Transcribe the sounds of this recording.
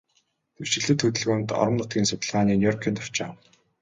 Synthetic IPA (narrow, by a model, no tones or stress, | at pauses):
t̪ʰew̥t͡ɕɪ̆ɮɘ̆t̪xɵt̪ɵ̆ɮɣoːnt̪ɔ̰ɾə̆mnʊt̪̚ɡʲiːnsʊt̪ə̆ɮʁaːniːnjɔrkʰiːnt̪ʰḁwt͡ɕaːw